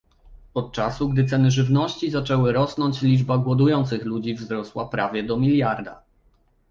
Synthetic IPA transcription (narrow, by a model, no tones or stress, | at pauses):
ɔt̪̚t͡ʂasuɡd̪ɘt̪sɛnɘʐɘvnɔɕt͡ɕizat͡ʂɛwɘɾɔsnɔɲt͡ɕlʲid͡ʐbaɡwɔd̪ujɔnt̪sɘxlud͡ʑivzɾɔswapɾavʲjɛd̪ɔmʲilʲjaɾd̪a̰